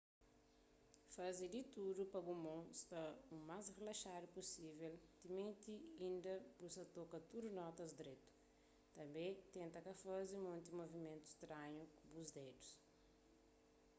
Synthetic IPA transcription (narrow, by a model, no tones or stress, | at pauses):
fɐzid̪it̪uɾupɐɡumõst̪ɐumazrelɐʃaɾuposiveld̪imẽnt̪iĩnd̪ɐbusɐt̪okɐt̪uɾunɔt̪ɐzd̪ɾet̪u̥ | t̪ɐ̃mbẽt̪ẽnt̪ɐkɐfɐzimõnt̪imovimẽnt̪u̥st̪ɾãɲukubuzd̪ed̪us